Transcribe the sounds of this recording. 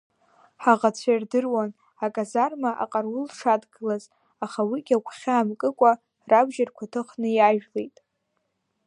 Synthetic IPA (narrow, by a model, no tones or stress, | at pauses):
ħaʁat͡sʷʰajrdɨrwan | akʼazarmaʔa̰qʼarwʊlʂadɡɨlaz | aχawiɡʲakʷʰχʲaːmkʼɨkʷʼa | rabʒarkʷʰatʰɨχnɨjaʒᶣlejtʼ